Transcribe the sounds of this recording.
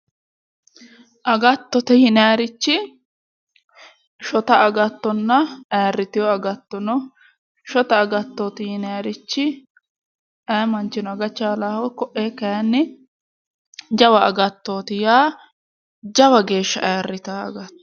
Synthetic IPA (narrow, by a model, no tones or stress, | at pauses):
ʔɐɡɐt̪ːɔt̪ɛhɪnaaɾɪt͡ʃːɪ | ʃɔt̪ɐɐɡɐt̪ːɔnːɐɐjarːɪt̪ɪjɔɐɡɐt̪ːɔnɔ | ʃɔt̪ɐːɡɐt̪ːoːt̪ɪhɪnaɾɪt͡ʃːɪ | ʔɐːmɐnt͡ʃːɪnɔɐɡɐt͡ʃːaːlaːhɔjkɔʔeːkːɐjɐnːɪ | d͡ʒɐwɐːɡɐt̪ːoːt̪ɪjaː | d͡ʒɐwɐɡe̞ːʃːɐʔɐjarːɪt̪aːɐ̰ɡɐt̪ːɔ